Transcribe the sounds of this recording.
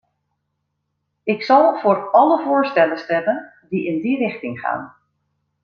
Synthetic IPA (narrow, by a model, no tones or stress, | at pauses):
ɪksɑlˠv̥ʊːɹɑləvʊːɹstɛləstɛmən | diɪndirɪxtɪŋχa̰ːn